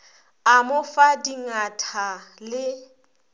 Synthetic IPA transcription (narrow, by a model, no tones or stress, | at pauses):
amʊfadiŋatʰalɪ